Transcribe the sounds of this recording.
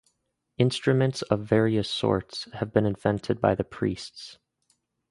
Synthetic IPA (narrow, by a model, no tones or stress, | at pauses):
ɪ̃nstɹ̥ɨmɨ̃ntsʌvːɛɹiɨsɔ̰ɹtshɨvbɨ̃nɨ̃ɱvɛ̃ntʰɨd̚baɪðɨpʰɹ̥ḭsts